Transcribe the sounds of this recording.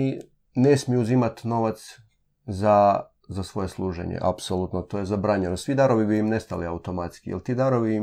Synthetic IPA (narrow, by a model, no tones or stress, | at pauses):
i | ne̞smijuuzimat̪no̞ʋat̪s | za | zasʋo̞je̞slˠuːʒḛɲḛʔa̰psolˠut̪not̪o̞je̞zabɾaːɲenosʋid̪aɾo̞ʋibiimne̞st̪a̰liaut̪o̞mat̪skijelt̪id̪aɾoʋii